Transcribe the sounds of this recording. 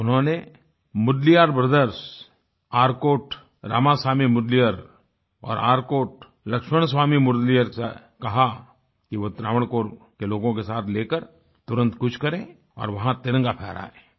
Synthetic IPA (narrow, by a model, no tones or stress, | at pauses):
ʊnɦõne | mʊd̪lijaːɾpɾəd̪əɾʃ | aːɾkoːʈ | ɾa̰ːmasaːmimʊd̪lijəɾ | ɔ̰ːɾaːɾkoːʈ | lɐkʃməɽ̃s̬waːmimʊd̪lijəɾsekɐɦa | kiʋot̪ɾa̰ːʋəɽ̃koːɾ | keloːɡõkesaːt̪ʰleːkəɾ | t̪ʊɾə̃nt̪kʊt͡ʃʰkɐɾẽ | ɔ̰ːɾʋɐɦãt̪ɪɾə̃ŋɡapʰɛːɾa̰ːḛ̃ː